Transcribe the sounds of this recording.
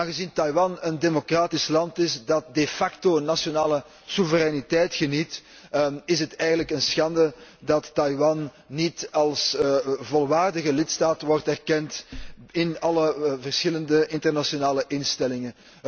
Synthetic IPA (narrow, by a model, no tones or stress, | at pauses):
aːnɣəzintɑjwɑnəndemokraːtɪslɑntɪsdɑt̚defɑktonːasjonaːlə | suvəɾɛnitɛjtxənit | ɪsətɛːɣənləkənsxɑndədɑtːɑjwɑnː | itɑlˠsvɔlˠʋaːrdəɣəlɪtstaːtʋɔrtɛrkɛntɪnɑləvərsxɪləndəɪntərnasjonaːləʔɪnstɛlɪŋən